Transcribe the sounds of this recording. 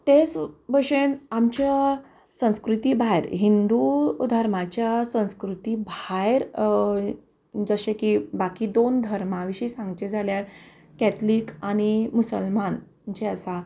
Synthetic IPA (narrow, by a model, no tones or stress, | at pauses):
t̪et͡sbəɕenamt͡ɕa | sə̃w̃skɾut̪ibʱajɾɦind̪ud̪ʱəɾmat͡ɕjasə̃w̃skɾut̪iːbʱajɾ | d͡zəɕekibakid̪ond̪ʱəɾmaʋiɕiːsãŋɡt͡ɕed͡zʱaljaɾ | kɛt̪ʰliːkañimusəlman | t͡ɕeəsa